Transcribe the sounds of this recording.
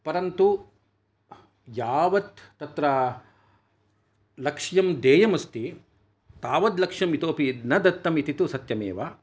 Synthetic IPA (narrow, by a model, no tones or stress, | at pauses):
pɐɾɐnt̪u | jaːʋɐt̪ːɐt̪ɾɐ | lɐkʂjɐmd̪eːjɐmɐst̪i | t̪aːʋɐd̪lɐkʂjɐmit̪oːpinɐd̪ɐt̪ːɐmit̪it̪usɐt̪jɐmḛːʋa